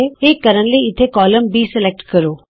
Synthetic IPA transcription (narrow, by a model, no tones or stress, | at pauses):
eeːkːɐɾənliɪt̪ʰekɔːləmbiːsɪlek̚ʈkɐɾoː